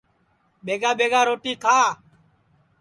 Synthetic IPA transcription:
ɓeːɡaːɓeːɡaːɾoːʈiːkʰaː

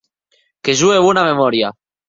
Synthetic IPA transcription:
keʒueβunamemɔɾja

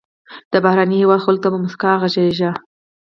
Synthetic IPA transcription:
d̪̥əbahɾɑnihewɑd̪xʊlɡ̚t̪abamʊskɑɣaʒaʒa

